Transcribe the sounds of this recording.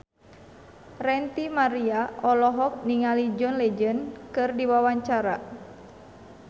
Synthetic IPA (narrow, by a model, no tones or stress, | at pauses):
rɛnt̪imaɾiaʔɔlɔɦɔk̚niŋalid͡ʒɔnlɛd͡ʒənkɨrdiwawaɲt͡ʃaɾa